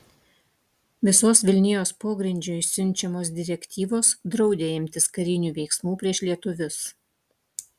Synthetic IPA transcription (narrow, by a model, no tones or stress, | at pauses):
ʋʲɪsoːsʋʲɪlʲnʲɪjoːspoːɡɾʲɪnʲd͡ʒʲʊːsʲʊnʲt͡ʃʲɛmoːs̬d̪ʲɪɾʲɛkʲt̪ʲiːʋoːsd̪ɾɒʊd̪ʲeːɪmʲt̪ʲɪskɐɾʲɪnʲuːʋʲɛɪksmuːpʲɾʲiɛʃlʲiɛt̪ʊʋʲʊs